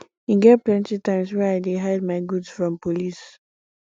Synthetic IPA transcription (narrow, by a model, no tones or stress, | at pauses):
iɡɛt̚plɛ̃ntitãɪ̃mswɛaɪdeɦaɪd̚maɪɡudzfɹɔ̃mpolis